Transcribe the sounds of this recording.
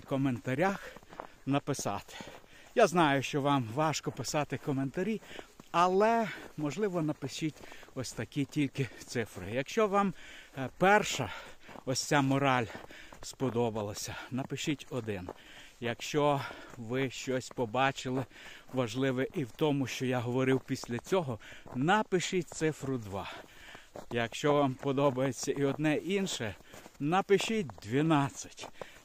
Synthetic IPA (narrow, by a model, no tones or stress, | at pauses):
kɔment̪ɐɾʲaxnɐpɪsɑ̰t̪ɪ̥jaznɑjʊʃt͡ʃɔʋɑmʋɑʃkɔpɪsɑt̪ɪkɔment̪ɐɾʲiɐlˠɛmɔʒlˠɪʋɔnɐpɪʃʲitʲɔsʲt̪ɐkʲitʲilʲkɪt̪sɪfɾɪ̰jɐkʃt͡ʃɔʋɑmpɛrʃɐɔsʲt͡sʲamɔɾɑlʲspɔd̪ɔbɐlˠɐsʲɐnɐpɪʃɪtʲɔd̪ɪn | jɐkʃt͡ʃɔʋɪʃt͡ʃɔsʲpɔbɑt͡ʃɪlˠɪʋɐʒlˠɪʋɛʔiwt̪ɔmʊʃt͡ʃɔjaɦɔʋɔɾɪwpʲisʲlʲɐt͡sʲɔɦɔnɐpɪʃɪtʲt̪sɪfɾʊd̪ʋɑ | jɐkʃt͡ʃɔʋɑmpɔd̪ɔbɐjet͡sʲːɐiɔd̪nɛʔinʃɛ | nɐpɪʃɪt̚ʲd̪ʲʋʲinɑt͡sʲːɐ̥tʲ